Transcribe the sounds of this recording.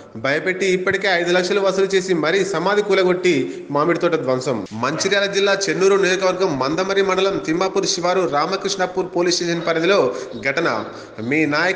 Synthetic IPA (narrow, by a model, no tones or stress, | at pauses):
bʱɐjɐpe̞ʈːiːpːɐʈike̞ːɐjd̪ulɐkʂɐluʋɐsɐlut͡ʃe̞ːsimɐɾisɐmaːd̪ʱikuːlɐɡo̞ʈːi | maːmiɽit̪oːʈɐd̪ʋɐmsɐmmɐɲt͡ʃiɾjaːlɐd͡ʒilːaːt͡ʃe̞nːuːɾuneːɾukɐʋɐɾɡɐmːɐnd̪ɐmɐɾimɐɳɖɐlɐmt̪imːaːpuːɾʃiʋaːɾuɾaːmɐkɾiʂɳɐpːuːɾpoːliːsʈeːʃɐnpɐɾɐd̪ilo̞ːɡʱɐʈɐnɐ̰ | miːnaːjɐ